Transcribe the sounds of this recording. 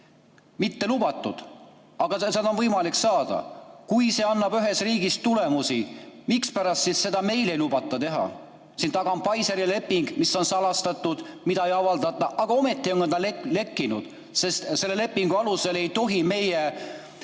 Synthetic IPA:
mit̪ːe̞lub̥ɑt̪ːˑud̪̥ | ɑɡ̥ɑsed̪onvɤjmɑliksɑːd̪̥ɑ̰kujse̞ɑnːɑbyɦe̞sriːɡistt̪ule̞musimikspæɾɑst̪sisse̞d̪ɑme̞jle̞jlub̥ɑt̪ːˑɑt̪e̞ɦɑ̰ | sint̪ɑɡ̥ɑmpɑjseɾile̞pːiŋɡmisːo̞nsɑlɑst̪ɑt̪ːˑud̪̥mid̪ɑejɑvɑld̪̥ɑt̪ːˑɑʔɑɡ̥ɑo̞me̞t̪ːˑio̞ŋɡɑnɑlele̞kːˑinud̪̥ | se̞st̪se̞lːe̞le̞pːiŋɡ̥uɑluse̞le̞jt̪o̞ɦime̞je

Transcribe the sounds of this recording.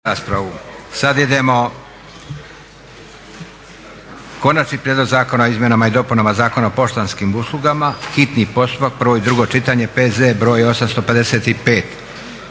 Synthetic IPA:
aːspɾaʋusad̪jid̪e̞mo̞ | ko̞nat͡ʃnipɾjed̪lˠoɡzaːko̞naoizmje̞namaid̪o̞punamazaːko̞naopo̞ʃt̪anskimuslˠuɡamaxit̪nipo̞st̪upak̚pɾʋo̞id̪ɾuɡo̞t͡ʃit̪aɲe̞pezebɾo̞ːjo̞samst̪o̞pe̞d̪e̞se̞t̪ipe̞ːt̪

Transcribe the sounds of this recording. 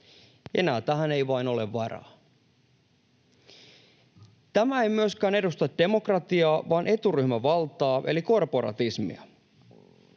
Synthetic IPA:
e̞̰næːt̪æɦæne̞jʋɑino̞le̞ʋʋɑrɑ̰ː | t̪æmæe̞jmyøskæːne̞dust̪ɑt̪̚d̥e̞mokrɑt̪iɑːʋɑːnʔe̞t̪uryhmæʋɑlt̪ˑɑːʔe̞̰liko̞rpo̞ɾɑ̰t̪ismḭɑ̰

